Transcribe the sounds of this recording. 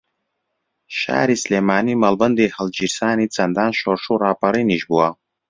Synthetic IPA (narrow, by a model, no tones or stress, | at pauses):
ʃa̰ːɾislemaːnimɐlbɨnd̪eħald͡ʒirsaːnit͡sʰɐnd̪aːnʃɔrʂuraːpʰɐɾɨniʒbuwa